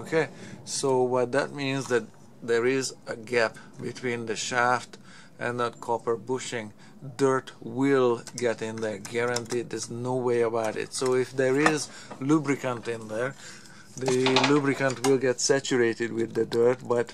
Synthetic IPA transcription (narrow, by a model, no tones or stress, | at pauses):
okʰesoʊwʌt̪̚ðæt̚mĩnzðɨt̪̚ | ðəɹɪzəɡæp | bɪtʰw̥ĩnðɨʃæft | ʔɨ̰̃nðət̚kʰɔpə˞bʊʃɪ̃ŋ | dɜ˞twɪlˠɡɛɾɪ̃nðə˞ɡɛɹə̃ntid̚d̪əznoweɪəbaʊɾɪ̰tsoʊɪfd̪əɹɪz | lubɹɪkə̃ntɪ̃nðə˞ | ðɨlubɹɨkə̃ntwɪlˠɡɛtsæt͡ʃuɹeɪɾɨd̚wɪðɨdɜ˞t̚bʌt